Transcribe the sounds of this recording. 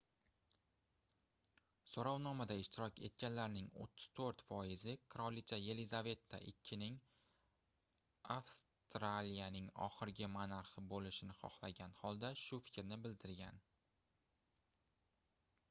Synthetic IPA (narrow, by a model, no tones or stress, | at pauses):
soɾɒwnɒmad̪aɪʃt̪ɪɾɒkʲʰe̞̰t̪̚kʲanlaɾnɪŋo̰t̪ʰːʊ̥z̥t̪ʰoɾt̪fɒɪzɪkʰɾolit͡ʃʰaje̞lɪzave̞t̪ʰːa̰ʔɪkʲʰːɪnɪŋ | afst̪ɾalijanɪŋɒ̰χɪɾɡʲɪmanaɾχɪbolɪʃɪnɪχɒ̰χlˠaɡʲanhɒlˠd̪aʃʊfɪ̥kʲɾnɪbɪld̪ɪɾɡʲan